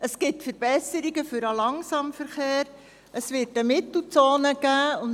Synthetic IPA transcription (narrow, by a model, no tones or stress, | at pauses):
ʔəsɡ̥ɪtfəɾb̥ɛsəɾiɡəfʏɾɑlɑŋsɑmfəɾχeːɾ | əsʋɪːtəmɪt̪l̩ˠt͡soːnəɡ̥æːʊn